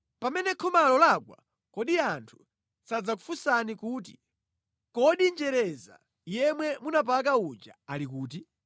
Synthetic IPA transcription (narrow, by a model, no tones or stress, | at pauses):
pamɛnɛkʰɔmalɔlakwa̰ | kɔɗiantʰu̥ | sad͡zakufusanikuːt̬i̥ | kɔɗind͡ʒɛɾɛza̰ | jɛmwɛmunap̬ak̬aud͡ʒa̰alikuːt̬i